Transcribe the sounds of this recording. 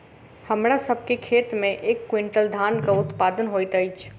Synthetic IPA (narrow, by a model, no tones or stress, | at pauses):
həmɾasəbʱkekʰet̪mẽʔekːwiɳʈəld̪ʱankəut̪pad̪ənɦojt̪əjt͡ʃʰ